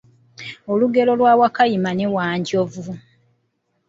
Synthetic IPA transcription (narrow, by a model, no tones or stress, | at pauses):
oluɡe̞lo̞lwaːwakajimanewaːɲɟovu